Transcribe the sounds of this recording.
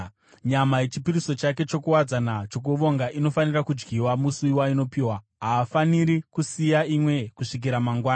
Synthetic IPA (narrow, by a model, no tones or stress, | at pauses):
ɲamaje̞t͡ʃipiɾiso̞t͡ʃake̞t͡ʃo̞kuwad͡zanat͡ʃo̞k̬uʋo̞ŋɡaʔino̞fanirakud͡ʒɡiwamusuiwaino̞piːwa | ɦaːfaniɾikusijaimwe̞kuʂik̬iɾamaŋɡwaːna